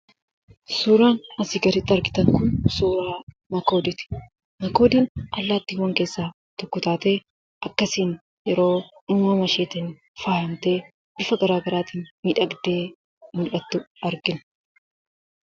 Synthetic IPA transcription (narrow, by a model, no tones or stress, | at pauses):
suːɾaːnɐsɪɡɐɾɪt̪ːɐɾɡɪt̪ɐŋkʊnsuːɾaː | mɐko̞ːd̪ɪt̪ɪ̥ | mɐkoːd̪ɪnʔɐlːaːt̪ːiːwːɐŋke̞ːsːaː | t̪ɔkːʊt̪aːt̪e̞ː | ʔɐkːɐsiːn | jɛɾo̞ːnʊːmɐmɐʃeːt̪ɪn | faːhɐmt̪e̞ː | b̥ɪfɐɡɐɾaːɡɐɾaːt̪iːnmiːᶑɐɡd̪e̞ː | mʊlʔɐt̪ːʊɐɾɡɪn